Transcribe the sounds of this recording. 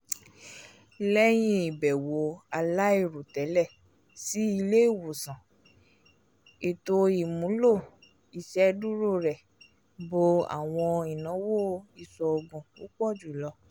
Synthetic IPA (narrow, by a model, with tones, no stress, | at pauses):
lɛ˦j̃ĩ˦i˨bɛ˨wo˨˦a˧la˦i˦˨ɾo˨tɛ˨˦lɛ˦˨ | si˨˦i˧le˦i˦˨wo˨sã˨ | e˨to˧i˨mũ˨˦lo˦˨ | i˨ʃɛ˦du˦ɾo˦˨ɾɛ˨ | bo˧a̰˨w̃ɔ̃˧i˨nã˨˦wo˦˨i˨˧sɔ˧o˧ɡũ˧o˦k͡pɔ˦˨d͡ʒu˨lɔ˧˦